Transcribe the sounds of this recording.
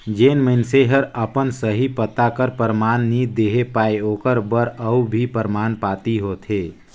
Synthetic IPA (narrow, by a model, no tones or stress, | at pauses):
d͡ʒeːnməɪnseɦəɾəpənsəɦipət̪akəɾpəɾmaːnːid̪eːɦepaːeoːkəɾbəɾəubʱipəɾmaːnpaːt̪iɦoːt̪ʰeː